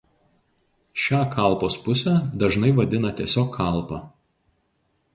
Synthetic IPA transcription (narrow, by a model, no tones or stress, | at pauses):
ʃʲæːkʰɐˑlˠˑpoːspʊsʲæːd̪ɐʒnɐɪʋɐd̪ʲɪnɐt̪ʲiɛsʲoːkʰːɐˑlˠpɑː